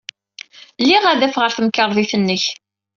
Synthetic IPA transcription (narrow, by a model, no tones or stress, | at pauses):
lːiʁæðæfʁəɾθəmkːəɾˤðˤiθənːəç